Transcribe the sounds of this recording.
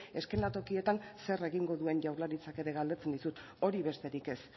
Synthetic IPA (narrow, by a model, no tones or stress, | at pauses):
e̞ske̞nat̪o̞kie̞t̪anse̞re̞ɣiŋɡo̞ðue̞ɲʝawɾlaɾit͡sake̞ɾe̞ɣald̪e̞t͡send̪isut̪ | o̞ɾiβe̞st̪e̞ɾike̞s